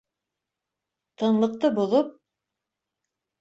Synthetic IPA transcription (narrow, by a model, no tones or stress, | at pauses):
t̪ɤ̆ɴlˠɤ̆q̚t̪ɤbŏðop̚